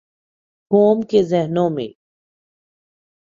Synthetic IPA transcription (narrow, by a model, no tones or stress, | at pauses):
koːmkezɛɦnõmḛ̃ː